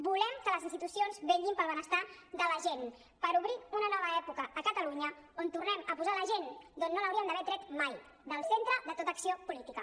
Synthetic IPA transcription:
bulɛmkələzinst̪it̪usionzβeʎɡimpəlˠβənəst̪aðələʒen | pəɾuβɾiunənɔβəɛpukəʔːkət̪əluɲəont̪urnɛməpuzaləʒend̪onːoləwɾiəmnd̪əβɛɾt̪ɾɛt̪maj | d̪əlˠsent̪ɾəðət̪ot̪əksiopulit̪ikə

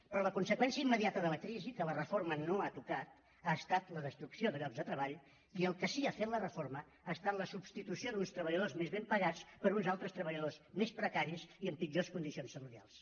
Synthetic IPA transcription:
pɾɔləkunsəkwɛnsiəimːəðiat̪əðələkɾizikələrəformənoat̪ukat̪ | aəst̪at̪ləðəst̪ɾuksioðəɣɾɔpzðət̪ɾəβaʎ | iəlˠkəsiafet̪lərəfoɾmə | ast̪aləsubst̪it̪usioðunst̪ɾəβəʎəð̞ozmezβempəɣat͡spəɾunzalˠt̪ɾəst̪ɾəβəʎəðozmespɾəkaɾiəziəmpid͡ʒoskund̪isionsːəruɾia̰lˠs

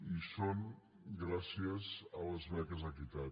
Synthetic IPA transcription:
isoŋ | ɡɾasiəzələzmɛkəzəkit̪a

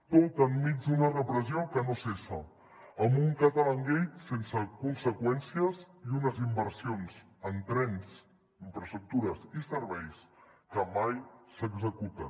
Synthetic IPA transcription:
t̪ot̪əmːid͡ʒd̪unərəpɾəziokənosesə | əmbuŋkət̪ələŋɡejt̪sensəkunsəkwɛnsiəz | iunəzimbəɾsionz | ənt̪ɾɛns | iɱfɾəst̪ɾuk̚t̪uɾəsisəɾβɛjs | kəmajsəɡzəkut̪ə

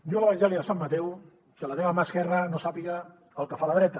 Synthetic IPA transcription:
joələβanʒɛliðəsamːat̪ɛw | sialat̪eamaskɛrənosapiɣaː | lˠkəfaləðɾɛt̪ɐ

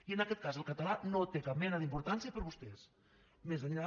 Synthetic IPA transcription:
iənəkɛt̪kazəlˠkət̪əlanot̪ekap̚mɛnəðimpuɾt̪ansiəpəɾβust̪ɛs | mezðəɲea

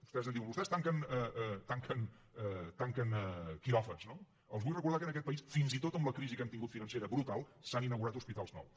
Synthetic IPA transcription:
bu̥st̪ɛzðənd̪iwmbust̪ɛst̪aŋkənɛɛt̪aŋkən | ɛt̪aŋkənɛkiɾɔfəzno | əlˠzβujrəkuɾð̞akənəkɛt̪̚pəisfinzit̪ot̪əmbləkɾizikɛmt̪iŋɡut̪finənseɾəβɾut̪alˠsaninəwɣuɾat̪uspit̪alˠznɔ̰w

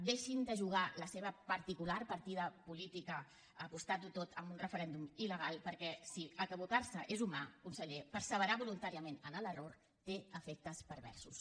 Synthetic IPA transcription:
d̪eʃind̪əʒuɣ̞aləseβəpəɾt̪ikularpəɾt̪iðəpulit̪ikəː | pust̪at̪̚ut̪ot̪ʰəmbunrəfəɾɛnd̪umiləɣ̞alˠpəɾkɛsiəkəβut̪aɾsəʔezumakunsəʎepəɾsəβəɾaβulunt̪aɾiəmenənələror | t̪eəfɛk̚t̪əspəɾβɛ̰ɾsus

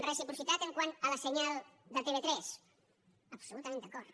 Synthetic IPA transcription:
rəsipɾusit̪at̪əŋkwanələsəɲalˠd̪ət̪eβet̪ɾɛs | əpsulut̪əmẽnd̪əkɔɾt̪

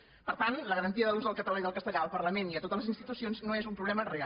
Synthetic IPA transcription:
pəɾt̪anləɣəɾənt̪iəðəluzðəlˠkət̪əlaiðəlˠkəst̪əʎaəlˠpəɾləmeniət̪ot̪ələzinst̪it̪usionznoezumpɾuβlɛmərea

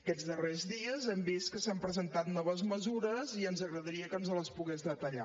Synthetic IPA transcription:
əkɛd͡zðərɛzðiəzɛmbist̪̚kəsampɾəzənt̪at̪nɔβ̞əzməzuɾəziənzəɣɾəðəɾiəkənzələspuɣɛzðət̪əʎa̰

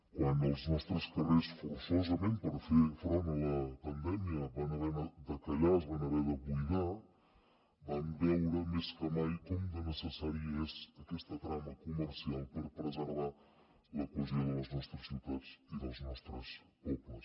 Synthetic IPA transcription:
kwanəlˠznɔst̪ɾəskəresfuɾsɔzəmenpəɾfefɾɔnələpənd̪ɛmiəβanəβɛɾəd̪əkəʎazβanəβɛðəβujɣa | bambɛwɾəmeskəmajkɔmd̪ənəsəsaɾiɛzəkɛst̪ət̪ɾaməkuməɾsialˠpəɾpɾəzəɾβa | ləkwəzioðələznɔst̪ɾəsːiwt̪at͡siðəlˠznɔst̪ɾəs | pɔpləs

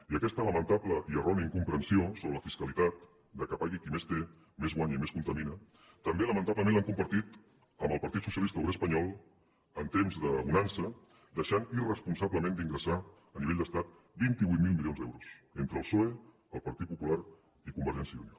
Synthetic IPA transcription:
iəkɛst̪ələmənt̪abləʔiərɔniəiŋkumpɾənsiosoβɾələfiskəlit̪at̪̚ | d̪əkapaɣikimest̪e | mezɣwaɲəimeskunt̪əminə | t̪əmbeləmə̃nt̪apləmẽnlaŋkumbəɾt̪it̪ | əmbəlˠpəɾt̪it̪susiəlist̪əuwɾeəspəɲɔlˠ | ənt̪emzðəβunansə | d̪əʃanirəspunsaβləmẽnd̪iŋɡɾəsa | əniβeʎd̪əst̪at̪̚ | bint̪iβujt̪̚milˠmilijond̪ɛwɾusent̪ɾəːlˠsoe | əlˠpəɾt̪it̪̚pupulaɾ | ikumbəɾʒɛnsjəunio

